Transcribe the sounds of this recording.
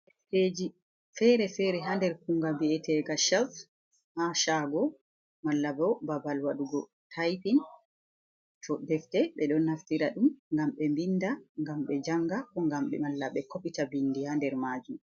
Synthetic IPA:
hed͡ʒi | fɛɾɛfɛɾɛɦandɛɾkuŋɡabiɛtɛɡaʃaf | haʃaɡɔ | malːabɔwbabalwaɗuɡɔ | tʰajpin | tʰɔdɛftɛɓɛɗɔnhaftiɾaɗumŋɡamɓɛmbindaŋɡamɓɛd͡ʒaŋɡakɔŋɡamɓɛmalːaɓɛkopitabinːdihandɛɾmad͡ʒum

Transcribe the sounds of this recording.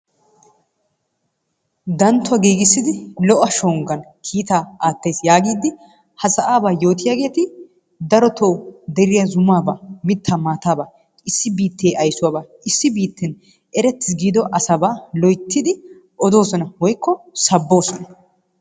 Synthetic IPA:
d̪ɐnt̪ːʊwɐɡiːɡɪsːɪd̪ɪlɔʔɐʃoːŋɡɐnkʰiːt̪aːaːt̪ːɐjsjaːɡiːd̪ɪ | hɐsɐʔaːbaːjo̞ːt̪ɪjaːɡe̞ːt̪ɪ | d̪ɐɾɔt̪ʰoːd̪ɛɾɪjɐzʊmaːbamɪt̪ʰːaːmaːt̪aːbaː | ɪsːɪbiːt̪ːeːʔɐjsʊwaːbaː | ɪsːɪbiːt̪ːɛn | ɛɾɛt̪ːɪsɡiːd̪ɔʔɐsɐbaːlɔjt̪ʰːɪd̪ɪ | ʔɔd̪o̞ːsɔnɐwɔjkʰːɔsɐbːo̞ːsɔnɐ

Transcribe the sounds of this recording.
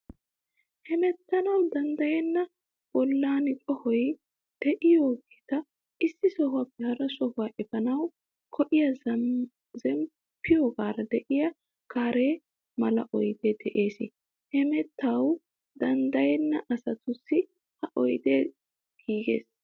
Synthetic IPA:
hɛmɛt̪ːɐnɐwd̪ɐnd̪ɐjɛnːɐ | b̥ɔlːaːnɪkʼɔhɔj | d̪̥ɛʔɪjoːɡi̥t̪ɐ | ʔɪsːɪsɔhʊwaːbɛhɐɾɐsɔhʊwaːʔɛbɐnɐw | kʰɔʔɪjɐ | zɛm | pːɪjoːɡaːɾɐd̪ɛʔɪjɐ | kaːɾeː | mɐlɐ̰ʔɔjd̪eːd̪ɛʔe̞ːsɪ | hɛmɛt̪ːɐw | d̪̥ɐnd̪ɐjɛnːɐʔɐsɐt̪ʊsːɪ | hɐʔɔjd̪eː | ɡ̥iːɡe̞̰ːs

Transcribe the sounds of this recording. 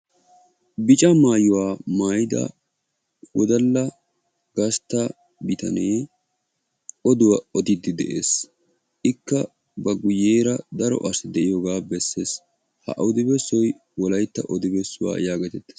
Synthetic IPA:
bɪt͡ʃʼɐmaːjʊwaːmaːjɪd̪ɐ̰ | wɔd̪ɐlːɐ | ɡ̥ɐst̪ːɐ | bɪt̪ɐ̰neː | ɔd̪ʊwɐɔd̪ɪd̪ɪd̪ɛʔḛːs | ʔɪkːɐ | bɐɡʊjːeːɾɐd̪ɐɾɔ̰ʔɐsɪd̪ɛʔɪjoːɡaːbɛsːeːs | hɐ̰ʔʊd̪ɪbɛsɔj | wɔlɐjt̪ːɐʔɔd̪ɪbɛsːʊwa̰ːjaːɡɛt̪ɛt̪ːe̥ːs

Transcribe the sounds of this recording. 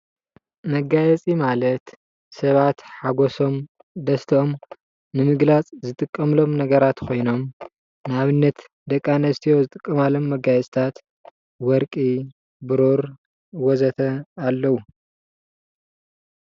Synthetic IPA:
mɐɡajɛt͡sʼimalɐt̪ | sɐβat̪ħaɡoso̞m | d̪ɐst̪ʰɐʔom | nɨmɨɡlat͡sʼzɨt̪ʼɨkʼːɐmlo̞mnɐɡɐɾat̪kʰo̞jno̞m | nɨaβɨnːɐt̪ | d̪ɐkʼːanɐst̪ʰijo̞zɨt̪ʼɨkʼːɐmalo̞mːɐɡajɛt͡sʼt̪ʰat̪ | wɔɾkʼi | bɨɾoɾ | wɔzɐt̪ʰɐalːɐwu

